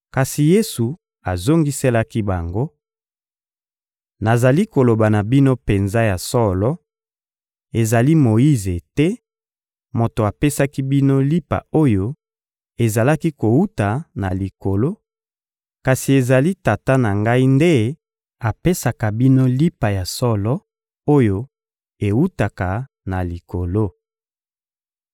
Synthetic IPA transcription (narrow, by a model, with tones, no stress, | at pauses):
ka˨si˨je˦su˨ | a˨zo˦ŋɡi˦se˦la˦ki˦ba˨ŋɡo˦ | na˨za˨li˦ko˨lo˨ba˨na˨bi˦no˦pe˨nza˦ja˨sɔ˦lɔ˦ | e˨za˨li˦mo˨i˦ze˨tɛ˦ | mo˨to˨a˨pe˦sa˦ki˦bi˦no˦li˦pa̰˨o˦jo˦ | e˨za˨la˦ki˦ko˨wu˦ta˨na˨li˨ko˨lo˦ | ka˨si˨e˨za˨li˦ta˨ta˦na˨ŋɡa˦i˦nde˦ | a˨pe˦sa˨ka˨bi˦no˦li˦pa˨ja˨sɔ˦lɔ˦ | o˦jo˦ | e˨wu˦ta˨ka˨ | na˨li˨ko˨lo˦